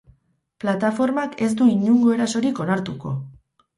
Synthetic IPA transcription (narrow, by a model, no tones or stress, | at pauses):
plat̪afo̞ɾmake̞sd̪uiɲuŋɡo̞e̞ɾaso̞ɾiko̞naɾt̪uko̞̰